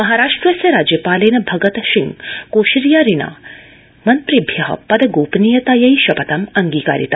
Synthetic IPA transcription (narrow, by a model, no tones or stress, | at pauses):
mɐɦaːɾaːʂʈɾɐsjɐɾaːd͡ʒjɐpaːleːnɐbʱɐɡɐt̪ɐʃiŋkoːʃɾijaːɾina̰ː | mɐnt̪ɾibʱjɐɦɐ̰pɐd̪ɐɡoːpnijɐt̪aːjɐiʃɐpɐt̪ɐmɐŋɡiːka̰ːɾit̪ɐ